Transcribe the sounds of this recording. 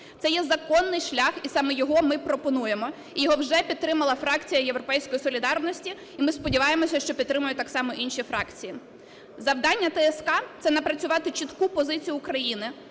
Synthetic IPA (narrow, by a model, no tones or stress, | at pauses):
t̪sɛjɛzɐkɔnːɪjʃlʲaxisɑmɛjɔɦɔmɪpɾɔpɔnuje̞mɔ | ijɔɦɔwʒɛpʲid̪t̪ːɾɪmɐlˠɐfɾɑkt͡sʲijɐjewɾɔpɛjsʲkɔjisɔlʲid̪ɑrnɔsʲtʲiːmɪspɔdʲiʋɑjemɔsʲɐʃt͡ʃɔpʲid̪t̪ɾɪmʊjʊt̪ɑksɑmɔʔinʃifɾɑkt͡sʲiji | zɐwd̪ɑnʲːɐt̪ɛɛskɑt̪sɛnɐpɾɐt͡sʲʊʋɑt̪ɪt͡ʃit̪kupɔzɪt͡sʲijʊːkɾɐjinɪ